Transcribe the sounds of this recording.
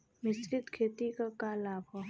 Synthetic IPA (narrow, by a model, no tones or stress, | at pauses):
mɪskɪt̪kʰeːt̪ikakaːlaːbʱɔ